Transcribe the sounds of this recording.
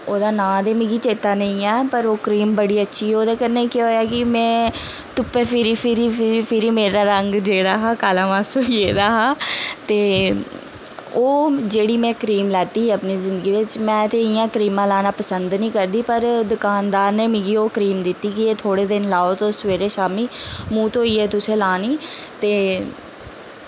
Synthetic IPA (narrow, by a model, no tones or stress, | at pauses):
oːd̪aːnãːd̪eːmĩːɡiːt͡ʃeːt̪aːnəĩːɛːpəɾoːkəɾiːmbəɽiːətːʃʰiːɦɛːoːd̪eːkənːeːkjeɦoːjaːkɪmɛ̃ːt̪ʊpːeːpʰɪɾiːpʰɪɾiːpʰɪɾipʰɪɾiːmeːɾaːɾəŋɡd͡ʒeːɽaːɦaːkaːlãːʋaːsojeːd̪aːɦaːt̪eː | oːd͡ʒeːɽiːmɛ̃ːkəɾiːmlɛːt̪iːɦɛːəpniːzɪnd̪əɡiːʋɪt͡ʃmɛ̃ːt̪eːɪjãːkəɾiːmãːlaːnaːpəsənd̪nĩːkəɾd̪iːpəɾd̪ʊkaːnd̪aːɾnẽːmɪ̃ɡiːoːkəɾiːmd̪ɪt̪ːiːkɪeːt̪ʰoːɽeːd̪ɪnlaːoːt̪õːsʋeːɾeːʃaːmiːmũːt̪õːiːɛːt̪ʊsẽːlaːniːt̪eː